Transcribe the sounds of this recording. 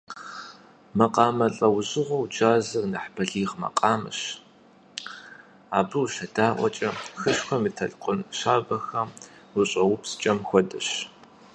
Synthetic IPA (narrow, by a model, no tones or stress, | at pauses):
mɐqʼɑːmɐɬʼɐwʑɪʁʷɐwd͡ʒaːzɐrnɐħb̥ɐɮiːʁmɐ̰qʼɑːmɨ̰ɕ | aːbɨwʃɐdaːʔʷɔ̰t͡ʃʼɐxɨɕxʷɐmitʰɐɮqʷʼʊnʃaːbɐxɐ | wʊɕʼɐwʊpʰst͡ʃʼɐmxʷɔdɐɕ